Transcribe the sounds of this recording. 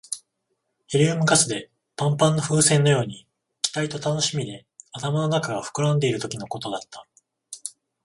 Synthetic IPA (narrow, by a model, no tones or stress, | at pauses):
heɾʲiɯmɯ̟kasɨd̪e̞ | pãmpãnːo̞ɸɯ̟ːsẽ̞nːo̞jo̞ːɲ̟i | kʲi̥t̪ait̪o̞t̪ano̞ɕimʲid̪e̞ | at̪amano̞nakaɡaɸɯ̥kɯ̟ɾãnd̪e̞iɾɯ̟t̪o̞kʲino̞ko̞t̪o̞d̪at̪ːḁ